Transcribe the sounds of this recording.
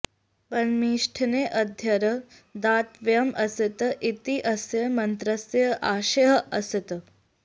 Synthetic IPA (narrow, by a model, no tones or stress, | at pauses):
pɐnmiːʂʈʰɐneːʔɐd̪ʱjɐɾə | d̪aːt̪ʋjɐmʔɐsit̪ʔit̪iʔɐsjɐmɐnt̪ɾɐsjɐʔaːʃɐɦɐʔɐsit̪